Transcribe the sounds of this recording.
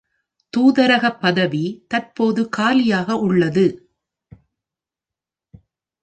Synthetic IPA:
t̪uːðɐɾɐɣɐpːɐðɐʋit̪ɐrpoːðɯkaːlɪjaːɣɐʔʊɭːɐðɯ

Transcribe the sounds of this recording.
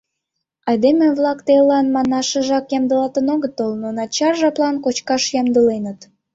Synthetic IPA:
ɑjd̪emeβlɑkt̪elɑnmɑnɑʃəʒɑkjɑmd̪əlɑt̪ənoɣət̪olnonɑt͡ɕɑrʒɑplˠɑnkot͡ɕkɑʃjɑmd̪əlenə̆t̪

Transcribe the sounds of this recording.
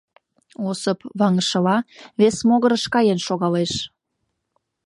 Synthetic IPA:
osəpβɑŋəʃə̆lɑβesmoɣəɾəʃkɑjenʃoɣɑleʃ

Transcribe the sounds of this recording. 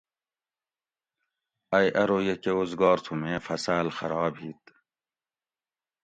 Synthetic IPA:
ɐjʔɐɾoːjekeozɡɑːɾt̪ʰumeɐfɐsaːlxɐɾɑːbhiːt̪

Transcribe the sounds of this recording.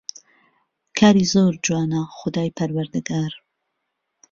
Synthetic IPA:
kʰaːɾiːzoːɾd͡ʒuwaːnɐxʊd̪aːjpʰɐɾwɐɾd̪ɨɡaːɾ

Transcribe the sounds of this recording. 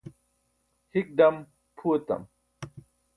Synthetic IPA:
hik̚ɖɐm | pʰuɐt̪ɐ̰m

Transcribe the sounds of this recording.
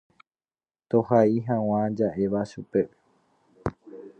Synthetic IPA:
t̪ohaiɦãw̃ãd͡ʒaʔe̞ʋaʃupe̞

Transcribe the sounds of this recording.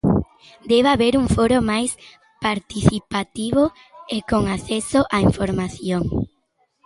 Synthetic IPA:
d̪eβaβeɾuŋfoɾomajs | paɾt̪iθipat̪iβʊ | ekoŋaθɛsoʔaiɱfoɾmaθjoŋ

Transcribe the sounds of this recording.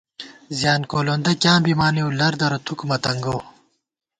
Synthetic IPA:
zjaːnkoːloːnd̪ɐkʲjãːbimaːniwlɐɾd̪ɐɾɐt̪ʰukmɐt̪ɐŋɡow

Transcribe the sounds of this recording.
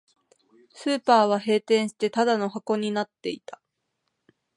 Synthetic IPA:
sɨːpaːβ̞aɦe̞ːt̪ẽ̞ɰ̃ɕi̥t̪e̞t̪ad̪ano̞ɦako̞ɲ̟inat̪ːe̞it̪ḁ

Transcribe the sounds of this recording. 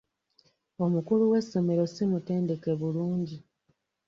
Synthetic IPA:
o̞mukuluwe̞sːo̞me̞ɾo̞simute̞ːnde̞ke̞βuluːɲɟi

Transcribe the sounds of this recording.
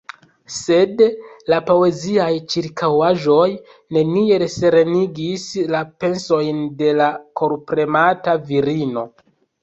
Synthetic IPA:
se̞dlapo̞e̞ziajt͡ʃiɾkʰawaʒo̞j | ne̞nie̞ɾeseɾeniɡislape̞nso̞jnde̞lakʰo̞ɾpɾe̞mataviɾino̞

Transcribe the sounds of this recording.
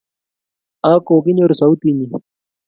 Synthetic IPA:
ãːkoːɡinoɾsawt̪ini

